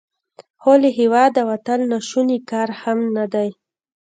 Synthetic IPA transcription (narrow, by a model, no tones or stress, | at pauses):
holeɦewɑd̪awat̪əlnaʃunikɑɾhamnad̪aj